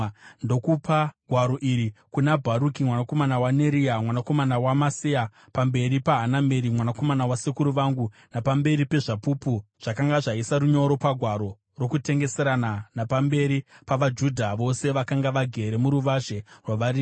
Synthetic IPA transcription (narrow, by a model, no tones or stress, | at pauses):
ndo̞kupaɡʱwaɾo̞ʔiɾikunabʱaɾukimwanako̞manawane̞ɾiamwanako̞manawamasia | pambe̞ɾipaɦaname̞ɾimwanako̞manawasekuɾuʋaŋɡu | napambe̞ɾipe̞ʐapupuʐ̥akaŋɡaʐaisaɾuɲo̞ɾo̞paɡʱwaɾo̞ | ro̞kute̞ŋɡe̞se̞ɾananapambe̞ɾipaʋad͡ʒudʱaʋo̞se̞ʋakaŋɡaʋaɡʱe̞ɾe̞muɾuʋaʒerwaʋariː